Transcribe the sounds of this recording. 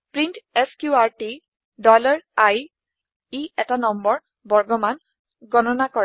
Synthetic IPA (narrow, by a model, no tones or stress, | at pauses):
pɹintɛskjuaɹti | dɔlaɹaj | iɛtanɔmbɔɹ | bɔɹɡɔman | ɡɔnɔnakɔɹɛ